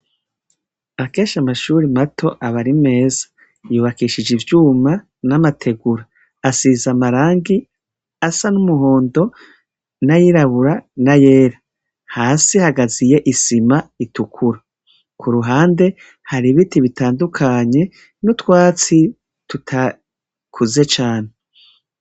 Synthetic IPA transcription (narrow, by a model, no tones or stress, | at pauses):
akeːʃamaʃuːɾimatʰo̞ʔaβaɾime̞ːzḁ | juːβakiːʃid͡ʒivjuːma | namatʰe̞ɡuɾaː | sizamaɾaːŋɡi | asanumuɦo̞ːndo̞ | najiɾaβuɾanaje̞ːɾa | haːsihaɡazije̞ʔisimaitukʰuɾa | kʰuɾuɦaːnde̞ | haɾiβitiβitaːndukʰaɲe̞ | nutwaːt͡si | tutʰa | kʰuzet͡ʃaːne